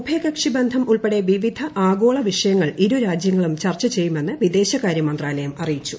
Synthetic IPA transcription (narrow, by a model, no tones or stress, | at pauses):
ubʱjeːkɐkʂibend̪ʱɐmuɭpeɽe̞ʋiʋid̪ʱɐʔaːɡo̞ːɭɐʋiʂɐjɐŋːɐɭiɾuɾaːd͡ʑjɐŋːɐɭumt͡ɕɐrt͡ɕːɐt͡ɕe̞jːume̞nːɨʋid̪e̞ːɕɐkaːɾjɐmɐnd̪raːlɐjɐmɐrijit͡ɕːu